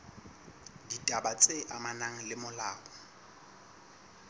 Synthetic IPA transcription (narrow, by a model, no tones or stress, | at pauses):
ditʼabat͡sʼeʔamanaŋ̩lɪmʊlaːbɔ